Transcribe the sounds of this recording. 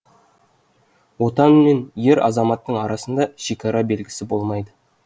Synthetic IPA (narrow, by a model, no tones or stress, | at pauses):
wo̞t̪ɑnmenjeɾɑ̰zɑmɑt̪ːəɴɑɾɑsənd̪ɑʃe̞kʲɑɾɑbe̞lɡʲɪsɪbo̞lˠmɑjd̪ə